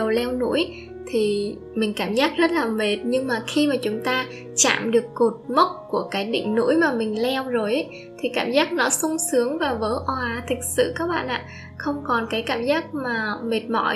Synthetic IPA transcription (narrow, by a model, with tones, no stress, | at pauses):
ə˨˩wlɛ˧wnṵ˧˥əj | t̪ʰi˨˩ | mï˨˩ŋ̟kaː˧˩mzaː˦˥k̚zə˦˥t̚laː˨˩me˨˩t̚ɲɨ˧ŋmaː˨˩xi˧maː˨˩t͡ɕʊ˨˦ŋ͡mt̪aː˧ | t͡ɕa̰ː˧˨mɗɨ˨˩əkːo˨˩t̚mə˦˥k͡p̚ku˧˩əkaː˨˦jɗḭ˧˨ŋ̟nṵ˧˥əjmaː˨˩mï˨˩ŋ̟lɛ˧wzo˨˩jʔa˦ | t̪ʰi˨˩kaː˧˩mzaː˦˥k̚nɔ˨˦sʊ˧ŋ͡msɨ˨˦əŋvaː˨˩vəː˨˦jʔɔ˧˩ʔaː˧t̪ʰï˨˩k̚sɨ̰˧˨kaː˦˥k̚ɓa̰ː˧˨nʔa̰ː˧˨ | xə˧wŋ͡mkɔ˨˩nkaː˨˦jkaː˧˩mzaː˦˥k̚maː˨˩me˨˩t̚mɔ̰˧˩